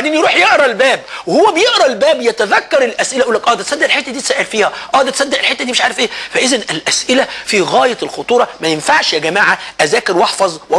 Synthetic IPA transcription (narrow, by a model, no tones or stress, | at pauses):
nʔenjɾuːħjeʔɾˤɑlbæːbwehowːæbejeʔɾˤɑlbæːbjæt̪æðækːɑɾˤelʔæsʔɪlæʔuːlːækʔɑːd̪æt̪sɑd̪ːeʔelħet̪ːæd̪iːsæːʔælfiːhæʔɑːd̪æt̪sæd̪ːeʔelħet̪ːæd̪iːmeʃʕaːɾefʔeːfæʔezænɪlʔæsʔɪlæfiɣæːjɑlxot̪ˤuːɾˤɑmæjenfaʕʃjæɡæmaːʕaʔæzæːkeɾwɑħfɑzˤwɑ